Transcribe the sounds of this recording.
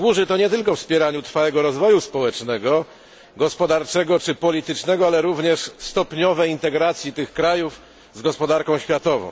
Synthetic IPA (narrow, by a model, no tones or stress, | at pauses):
wuʐɘt̪ɔɲɛt̪ɘlkɔfspʲjɛɾaɲut̪ɾfaɛɡɔɾɔzvɔjuspɔwɛt͡ʂnɛɡɔ | ɡɔspɔd̪aɾt͡ʂɛɡɔt͡ʂɘpɔlʲit̪ɘt͡ʂnɛɡɔalɛɾuvɲɛʂst̪ɔpʲɲɔvɛjint̪ɛɡɾat̪sʲjit̪ɘxkɾajuf | zɡɔspɔd̪aɾkɔ̃w̃ɕfʲjat̪ɔvɔ̰̃w̃